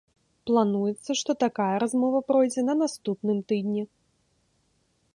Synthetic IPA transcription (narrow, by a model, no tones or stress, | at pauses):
plˠanujɛt̪sːɐʂt̪ɔt̪akajɐɾazmɔvɐpɾɔjd͡zʲɛnɐnast̪upnɨmt̪ɨd̪ʲnʲi